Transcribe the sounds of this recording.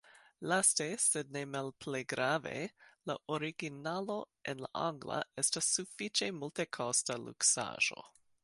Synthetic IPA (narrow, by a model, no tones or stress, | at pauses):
lastesed̚ne̞malpʰlejɡɾave̞̰la̰ʔoɾiɡinalo̞ | enla̰ʔaŋɡla̰estasːufit͡ʃe̞multe̞kʰostalṵksa̰ʒ̥o̰